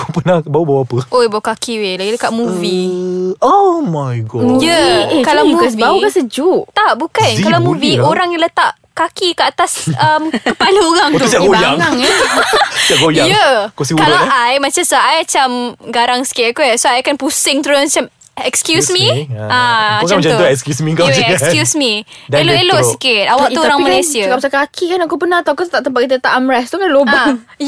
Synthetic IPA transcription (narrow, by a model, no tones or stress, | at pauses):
kopənabaubawapəʔoibaukakiwelaɡiləkaʔmũvi | omajɡɔjəkalawɡasbauɡasəd͡ʒuʔt̪aʔbukankalawmũvioɾaŋjalət̪aʔ | kakikəat̪asəmkkəpaluuɣaŋtt̪usaɡojaŋŋ | siaʔɡojajəkusiŋkalaajmãt͡ʃasaajmat͡ʃamɡaɾaŋsə̥kɪkusoajkanpusɪŋt̪ɾomat͡ʃam | ɛkskjusmĩaat͡ʃamt͡ʃauuɛkskjusmĩkakjusmideloʔeloʔsikɪt̪̚awakt̪uɾaŋmalajsiakamasakakʰikanakupənat̪aakusət̪aʔt̪əmpaʔkit̪ət̪aʔamɾɛsst̪ukanlobaŋ